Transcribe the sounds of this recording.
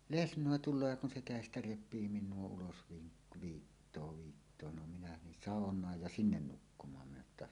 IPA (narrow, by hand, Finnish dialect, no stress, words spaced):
lesnˑoˑe tulˑoː jɑ kun se kæˑestæ repˑiː minˑuo ulos ʋiː ʋiːtːoː ʋiːtːoː no minæ nin sɑˑonˑɑːj jɑ sinːen nukːumˑɑːm minæ etːæ